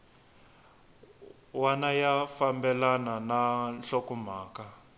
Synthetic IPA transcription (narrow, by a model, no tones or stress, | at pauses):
wanajafambɛlanananɬokum̤aːka